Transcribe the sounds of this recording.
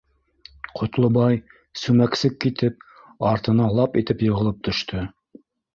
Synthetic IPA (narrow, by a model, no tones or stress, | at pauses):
qʰŏt̪lˠɤ̆bɑj | sʉmæksɘkːit̪ɘp̚ | ɑɾt̪ɤ̆nɑlˠɑpit̪ɘpjɤ̆ʁɤ̆lˠɤp̚t̪ʰɵ̆ʃt̪ʰɵ